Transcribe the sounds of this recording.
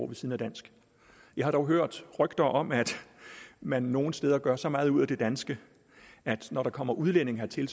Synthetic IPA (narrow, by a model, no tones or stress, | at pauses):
ʋe̝siðˠn̩æd̥æn̰sɡ̥ | jɑ̈ɪhɑ̈ɾ̥ɒʊɦøɐ̰d̥ʁœɡ̥d̥ɐʔɒ̽mæd̥ | mænːo̝ːn̩sd̥eːð̞ˠɐɡ̥ɶɐsɒ̽mɑ̈ːð̞̩ˠuð̰ˠæd̥e̝d̥ænsɡ̥ə | ʔæd̥nɒɾ̥ɑ̈kʰɒ̽m̰ɐʔuðˠlen̰e̝ŋɦæt͡sʰe̝ls